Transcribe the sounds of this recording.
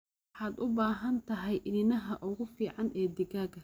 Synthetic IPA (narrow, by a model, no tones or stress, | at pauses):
ħaːd̪ʊbaːɦɐnt̪ʰɐɦɛjʔɪnɪnɐɦɐʔʊɣʊfiːʕɑnɛːd̪ɪɡaːɡɐ